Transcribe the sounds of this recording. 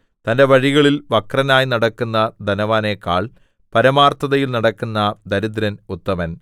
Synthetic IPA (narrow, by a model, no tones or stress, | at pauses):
t̪ɐnde̞ʋɐɻiɣɐɭilʋɐkrɐnaːjnɐɽɐkːunːɐd̪ɐnɐʋaːneːkːaːɭ | pɐɾɐmaːrt̪ɐðɐjilnɐɽɐkːunːɐd̪ɐɾud̪ɾɐnut̪ːɐmɐn